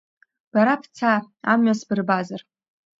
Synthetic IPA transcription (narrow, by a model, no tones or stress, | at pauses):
b̥aɾapʰt͡sʰa | amɥasbɨrbazar